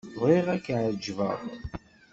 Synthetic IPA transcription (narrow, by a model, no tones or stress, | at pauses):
ðiʁækːʕd͡ʒvə̰ðˤ